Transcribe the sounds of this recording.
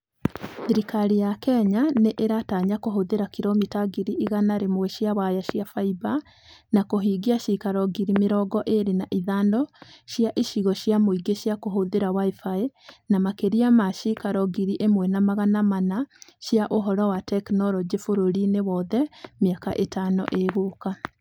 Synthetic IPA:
ðiɾikaɾijakɛɲaneʔeɾataɲakoɦoðeɾakiɾomitaɡiɾiʔiɣanaɾemwɛʃiawajaʃjafaiba | nakoɦiːɡiaʃikaɾɔɡiɾimeɾɔɡɔʔeɾenaʔiðandɔʃjaʔeʃiɣɔʃjamoiɡeʃiakoɦoðeɾawaifaenamakeɾiamaʃikaɾɔɡiɾiʔemwɛnamaɣanamanaʃjaʔoɦɔɾɔwatɛknɔɾɔd͡ʒefoɾoɾinewɔðɛmiaka̰ʔetanɔ̰ʔeɣoka

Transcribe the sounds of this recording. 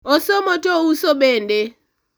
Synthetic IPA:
ɔsɔmɔtɔusɔɓende

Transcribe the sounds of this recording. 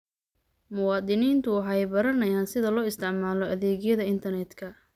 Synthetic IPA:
mʊwɑːd̪ɪniːnt̪ʰʊħɑjbɐɾɐnɐjaːnsɪðɐlɔːɪst̪ʰɪʕmaːlɔʔɐðɛːɣjɐðɐɪnt̪ʰɐrnɛd̪kʰɐ

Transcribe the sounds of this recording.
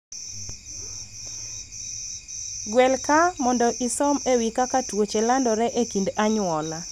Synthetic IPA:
ɡwɛlkamɔndɔʔisɔmewikakatwot͡ʃelandɔɾɛʔekindaɲwɔla

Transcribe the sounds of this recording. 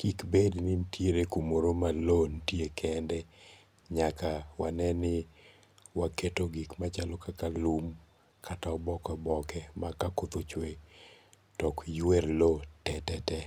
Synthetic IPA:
kikbednɪmtʰjeɾekumoɾomalontjekʰɛndɛ | ɲakawanɛnɪ | waketoɡikmat͡ʃalɔkakalum | kʰataɔbɔkɔbɔkɛmakakʊt̪ot͡ʃwe | tɔkjwerlotɛtɛtɛ

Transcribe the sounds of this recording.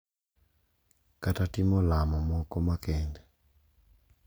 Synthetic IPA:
katatimɔlamɔmɔkɔmakɛndɛ

